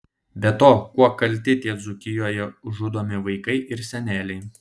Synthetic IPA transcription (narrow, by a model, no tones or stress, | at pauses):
bʲɛt̪oːkuɔkɐlʲˑt̪ʲɪt̪ʲiɛzʊkʲɪjoːjɛʊʒʊd̪oːmʲɪʋɐɪkɐɪʔɪɾsʲɛnʲæːlʲɛɪ